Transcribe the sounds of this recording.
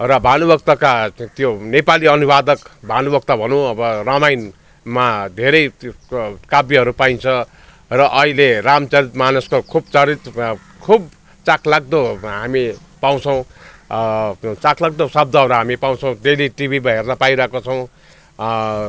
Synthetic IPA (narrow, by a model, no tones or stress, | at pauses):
rʌbʱanubʌk̚t̪ʌkat̪jonepaliʌnubad̪ʌkbʱanubʌk̚t̪ʌbʱʌnũʌbʌrʌmajn | mad̪ʱeɾʌj | kabiʌɾupaint͡sʰʌ | rʌʔʌɦileramt͡sʌɾit̪manuskokʰub̚t͡sʌɾit̪ | kʰub | t͡sakʰlaɡ̚d̪oɦami | paw̃t͡sʰʌw̃ | t͡sakʰlaɡ̚d̪osʌb̚d̪ʌɦʌɾaɦamipaw̃t͡sʰʌw̃d̪eliʈibʱimaɦernʌpaĩɾʌɦekot͡sʰʌw̃